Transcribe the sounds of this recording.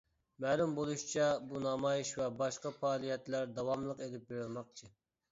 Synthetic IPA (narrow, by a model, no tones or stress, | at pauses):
mɛlˠumbolˠuʃt͡ʃʰɛbunɑmɑjiʃvɛbɑʃqɑfɑːlˠijɛt̪læɾd̪ɑwɑmlˠəqelɪp̚beɾɪlˠmɑq̚t͡ʃʰɨ